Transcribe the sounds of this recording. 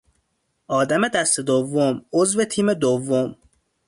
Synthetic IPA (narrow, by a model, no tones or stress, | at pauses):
ʔɒːd̪æme̞d̪æst̪e̞d̪ovːomozvet̪ʰiːme̞d̪ovːom